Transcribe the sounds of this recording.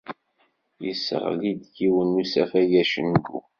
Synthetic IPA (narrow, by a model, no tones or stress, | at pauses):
jə̰sə̰ʁ̰lid̪ɡiwənːusæfæjæʃənɡṵ